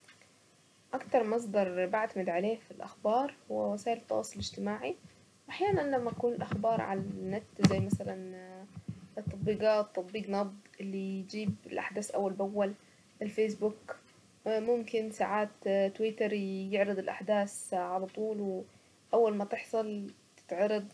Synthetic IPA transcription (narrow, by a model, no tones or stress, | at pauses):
ʔakt̪ɑɾˤmɑs̬ˤd̪ɑɾˤbaʕt̪amɪd̪ʕaleːfilʔaxbɑːɾˤhwwasaːʔɪlɪt̪ːɑ̰wɑ̰ːsˤːʊlɪd͡ʒt̪ɪmaːʕi | wʔaħjaːnanlamːaakuːnɪlʔaxbɑːɾˤʕa̰lanːat̪ːzajːmasalan | t̪ːɑt̪ˤbiːɡɑːt̪ːɑt̪̚ˤbiːɡnɑbd̪ˤɪlːijd͡ʒiːbɪlʔaħd̪aːsʔawːalbawːal | ʔɪlfeːs̬bʊk | mʊmkɪnsaʕaːt̪t̪wɪt̪ɑɾjɪʕɾɨd̪ˤɪlʔaħd̪aːsʕalat̪ˤuːlw | ʔawːalmat̪ɪħsˤɑl | t̪ɪ̥t̪ʕɑɾˤɑd̪ˤ